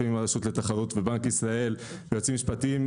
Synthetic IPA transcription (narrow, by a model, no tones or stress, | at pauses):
imaʁaʃutle̞t̪aχaʁut̪vebaŋkisʁae̞l | vejot͡simiʃpatim